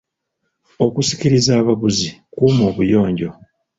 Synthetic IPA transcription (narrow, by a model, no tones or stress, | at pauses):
o̞kusi̥ciɾizaːβaβuzikuːmo̞ːβujo̞ːɲɟo̞